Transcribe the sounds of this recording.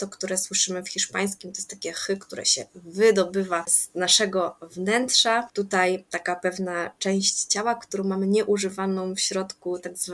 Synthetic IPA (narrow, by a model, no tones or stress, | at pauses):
t̪ɔkt̪uɾɛswɘʂɘmɘfxʲiʂpaj̃skʲimt̪ɔjɛst̪akʲɛxɘkt̪uɾɛ̰ɕɛ̰vɘd̪ɔbɘvaz̥naʂɛɡɔvnɛntʂat̪ut̪ajt̪akapɛvnat͡ʂɛ̃w̃ɕt͡ɕt͡ɕawakt̪uɾɔ̃w̃mamɘɲɛʔuʐɘvanɔ̃w̃fɕɾɔt̪kut̪aɡzv